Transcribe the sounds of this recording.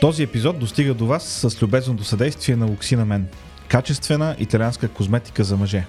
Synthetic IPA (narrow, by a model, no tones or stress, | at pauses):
t̪ɔziɛpizɔt̪̚d̪ost̪iɡəd̪ovasːəslʲubɛznot̪osɐd̪ɛjst̪viɛnɐloksinɐmɛn | kat͡ʃɛst̪vɛnəʔḭt̪ɐlʲianskəkozmɛt̪i̥kəzɐmɐʒɛ